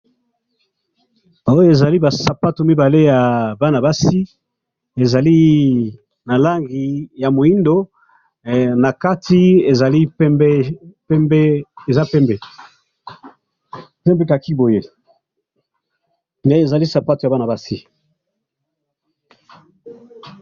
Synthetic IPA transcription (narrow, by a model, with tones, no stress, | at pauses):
o˦jo˦e˨za˨li˦ba˨sa˨pa˦to˨mi˦ba˨le˦ja˨ba˦na˨ba˦si˦ | e˨za˨li˦ | na˨la˦ŋɡi˨ja˨mo˨i˦ndo˨ | na˨ka˦tʰi˦e˨za˨li˦pbɛ˦ | bɛ˦e˨za˦pɛ˦mbɛ˨ | pɛ˦mbe˦ka˨ki˦bo˨je˦ | nde˦e˨za˨li˦sa˨pa˦to˨ja˨ba˦na˨ba˦si˦